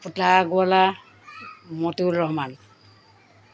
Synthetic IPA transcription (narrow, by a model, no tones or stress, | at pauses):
putlaɡuala | mɔtuɹɔɦman